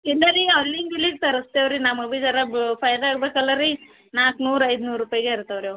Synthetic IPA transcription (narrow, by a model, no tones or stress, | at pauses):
ild̪ɐɾiɐʋɾliŋɡʋiliɡ̚t̪ɐɾɐst̪eʋɾinamɐbid͡ʒɐɾɐbpʰɐjɐɾaːɡbeːkɐlːɐɾi | naːknuːɾɐjd̪unuːɾːupaːjɡeɐɾt̪eʋɾjo